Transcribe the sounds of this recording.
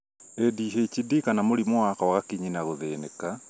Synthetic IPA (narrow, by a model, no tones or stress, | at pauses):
ediːɦeit͡ʃidikanamoɾimoakawaɣakiɲinaɣoðeneka